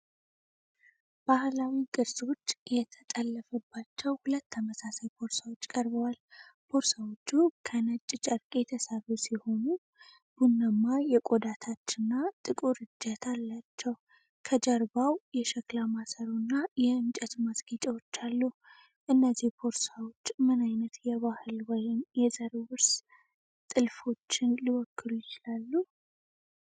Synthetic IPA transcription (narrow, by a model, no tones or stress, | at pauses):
b̥ahlawikʼɨɾso̞t͡ʃːjɛt̪ʰət̪ʼəlːəfəbːat͡ʃːɛwhulət̪ːʰəməsasajpʰo̞ɾsawot͡ʃːkʼəɾbəwalb̥ʰoɾsawot͡ʃːukʰənət͡ʃʼːt͡ʃʼəɾkʼe̞t̪ʰəsərːusiho̞nu | b̥unːəmːajɛkʼod̪at̪ʰat͡ʃːɪnːat̪ʼɨkʼuɾɨd͡ʒːət̪ʰalːat͡ʃːɛw | kʰəd͡ʒəɾbawjɛʃəklamasəɾunːajɛɨnt͡ʃʼət̪masɡit͡ʃʼɛwot͡ʃːalːuh | ʔɨnːəzihpʰo̞ɾsawot͡ʃːmɨnajnət̪jɛβahɨlwɔjɪmjɛzəɾewɨɾs | t̪ʼɨlfo̞t͡ʃːɪnliwɔkʰːɨlujɪt͡ʃɪlalːu